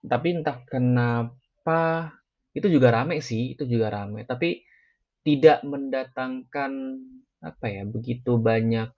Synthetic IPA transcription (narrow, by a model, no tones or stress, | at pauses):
t̪apint̪akəna | pa | it̪ud͡ʒuɡaɾamɛsɪhḭt̪ud͡ʒuɡaɾamɛ̰t̪api | t̪idaʔməndat̪aŋkan | a̰pajabəɡit̪ubaɲak̚